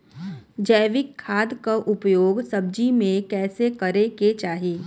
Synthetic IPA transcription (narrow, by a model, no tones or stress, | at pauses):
d͡ʒɛːʋɪkʰːaːd̪kaʔʊpjoːɡsɐb̚d͡ʒimẽkɛːsekɐɾeket͡ʃaːɦieː